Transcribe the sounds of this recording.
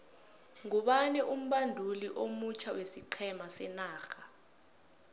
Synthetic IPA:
ŋuɓanɛʔum̩ɓandʱuliʔomut͡ʃʰawesiǃʰɛmasɛnaːxa

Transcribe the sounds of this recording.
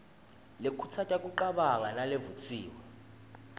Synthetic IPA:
lekʰut͡sʰatʼakʼuǃaɓaŋanalevut͡sʼiːwɛ

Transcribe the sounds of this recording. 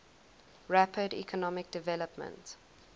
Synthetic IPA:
ɹæpʰədḭkʰɔnɔmɪk̚d̥ɪvɛləpmə̰̃nt

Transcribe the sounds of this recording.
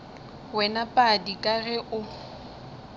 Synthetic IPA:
wɛnapʼadikʼaɣɛʔʊ

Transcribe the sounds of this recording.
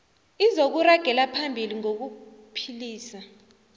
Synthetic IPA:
izok̬uraɡ̥ʱɛlapʰambʱiliŋok̬upʰiliːsa

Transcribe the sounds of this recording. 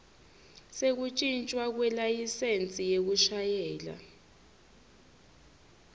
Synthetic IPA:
sek̬ut͡ʃʼint͡ʃʼwak̬wɛlajisent͡sʼijek̬uʃajɛːla̰

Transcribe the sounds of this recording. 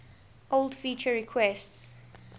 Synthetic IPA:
ʔoldfit͡ʃəɹikʰwɛsts

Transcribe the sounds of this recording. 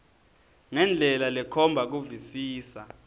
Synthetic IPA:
ŋɛnd͡ɮʱɛlalɛkʰɔmbʱak̬uvisiːsa

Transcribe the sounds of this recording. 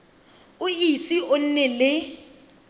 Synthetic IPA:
ʊisiʔon̩nɛlɪ

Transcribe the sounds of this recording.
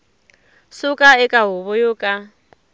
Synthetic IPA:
sukʼaɛkʼaɦʊβɔjoːkʼa

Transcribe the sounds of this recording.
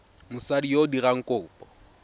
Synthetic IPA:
mʊsadijodiɣaŋ̩kʼʊːpʼɔ

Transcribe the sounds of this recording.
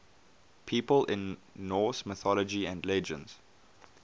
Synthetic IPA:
pʰiːpəlʔɪ̃nːɔːˑsmɪθɔləd͡ʒiæ̃ndlɛd͡ʒə̰̃nz̥

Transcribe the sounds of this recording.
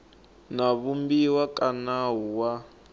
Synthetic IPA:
naβumbiwakʼanaɦuwa

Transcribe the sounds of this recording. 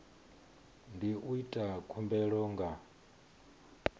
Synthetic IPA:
ndiʔuitʼakʰumbɛɺɔːŋɡa

